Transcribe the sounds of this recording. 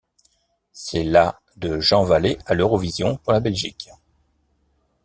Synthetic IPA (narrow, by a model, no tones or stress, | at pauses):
sɛla | d̪əʒɑ̃valealøʁɔvizjɔ̃puʁlabɛlʒik